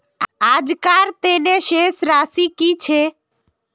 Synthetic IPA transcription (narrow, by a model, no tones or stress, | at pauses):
aːd͡ʒkaɾt̪eneʃesɾasikit͡ʃʰe